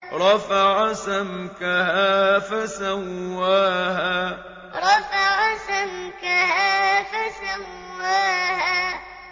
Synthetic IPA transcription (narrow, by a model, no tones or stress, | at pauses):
ɾˤɑfaʕasamkahaːfasawːaːɦaː | ɾˤɑfaʕasamkahaːfasawːaːhaː